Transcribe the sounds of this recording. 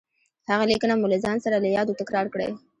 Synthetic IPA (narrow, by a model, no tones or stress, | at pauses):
haɣalikənamʊlezɑnsaɾaləjɑd̪ot̪akɾɑɾkɽḛ